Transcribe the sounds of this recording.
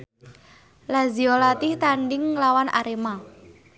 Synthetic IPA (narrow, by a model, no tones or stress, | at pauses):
laziolat̪ɪht̪aɳɖɪŋlawanʔa̰ɾema